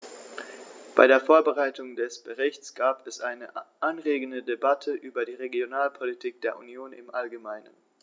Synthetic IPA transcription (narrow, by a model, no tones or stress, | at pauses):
b̥aɪɾeːɐfoːɐbəʁaɪtʊŋdɛsb̥əʁɪçt͡sɡ̥aːpɛsʔaɪnəʔanʁeːɡn̩dədebatʰəʔyːbɐdiːʁeɡjonaːlpʰolitʰiːk̚d̥eːɐʔṵnjoːnɪ̰mʔalɡəmaɪnə̰n